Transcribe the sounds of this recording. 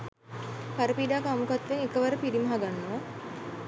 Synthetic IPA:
kaɾəpiːɖaːkəamukat̪ʋeŋekəʋəɾəpiɾiməɦaɡanːoʋa

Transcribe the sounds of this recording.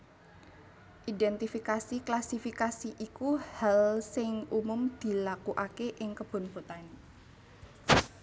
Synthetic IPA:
ʔidɛnt̪ifikasiklasifikasiʔikuhalsɪŋʔumʊmd̪̥i̤lakuʔakeʔɪŋkəb̥o̤nb̥o̤t̪an

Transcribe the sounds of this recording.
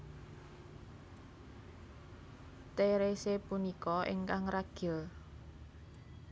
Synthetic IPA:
t̪eɾesepunikɔʔɪ̰ŋkaŋraɡ̥ə̤l

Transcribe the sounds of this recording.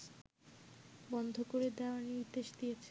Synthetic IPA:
bɔnd̪ʱokoɾed̪ɛoaniud̪ːeʃd̪ijet͡ɕʰe

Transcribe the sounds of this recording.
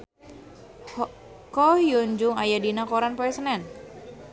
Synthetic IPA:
kɔhjuɲd͡ʒʊŋajadinakoɾanpɔɛsənɛn

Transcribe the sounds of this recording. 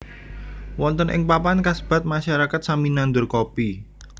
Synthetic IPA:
wɔnt̪ɔnʔɪ̰ŋpapankasb̥a̤t̪̚maʃaɾakat̪̚saminand̪ʊrkopi

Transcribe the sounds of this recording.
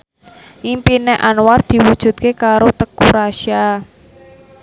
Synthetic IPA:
ʔimpineʔanward̪̥i̤wud̥ʒ̥ṳt̪̚kekaɾot̪əkuɾaʃia

